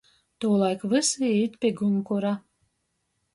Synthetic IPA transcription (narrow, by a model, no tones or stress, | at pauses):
t̪uːlˠajkvɨsɨit̪pʲeɡumkuɾa